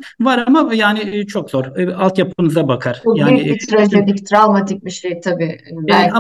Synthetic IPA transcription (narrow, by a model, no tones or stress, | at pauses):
vaɾamajaːnɪt͡ʃʰo̞kzoɾalˠt̪japʰɯɯnɯzabakʰaɾ̥bubjaːnyɪit̪ɾazɛd̪ict̪ʰɾavmat̪ʰic̚ʲbiʃejt̪ʰabiːa